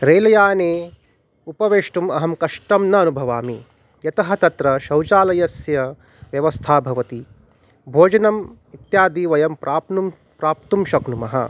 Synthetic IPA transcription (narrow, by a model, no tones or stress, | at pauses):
ɾeːlɐjaːneː | upɐʋeːʂʈumɐɦɐmkɐʂʈɐmnɐːnubʱɐʋaːmi | jɐt̪ɐɦɐ̆t̪ɐt̪ɾɐʃɐwt͡ʃaːlɐjɐsjɐ | ʋjɐʋɐst̪ʰaːbʱɐʋɐt̪i | bʱoːd͡ʒɐnɐm | it̪jaːd̪iːʋɐjɐmpɾʔaːpnu | pɾaːp̚t̪umʃɐknumɐɦɐ̰